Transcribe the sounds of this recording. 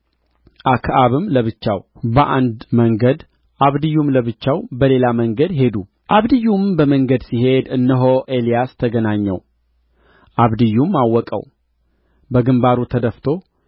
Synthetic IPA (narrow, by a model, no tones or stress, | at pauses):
ʔakʰʔaβɨmləβɨt͡ʃːawbəʔand̪məŋɡəd̪ | ʔaβd̪ɨjːumləβɨt͡ʃːawbəle̞laməŋɡəd̪ɦe̞d̪u | ʔaβd̪ɨjːumbəməŋɡəd̪siɦe̞d̪ɨnːəɦoʔe̞lijast̪ʰəɡənaɲːɛ̰w | ʔaβd̪ɨjːumːawːɔkʼə̰w | bəɡɨmbaɾut̪ʰəd̪əft̪ʰo̞